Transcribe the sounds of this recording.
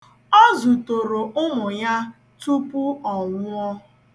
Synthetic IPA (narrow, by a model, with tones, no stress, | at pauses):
ɔ˦zu˨to˨ɾo˨ʔʊ˦ŋʊ˨ja˦ | tu˦pʊ˦ɔ˨ŋʷʊ˦ɔ˦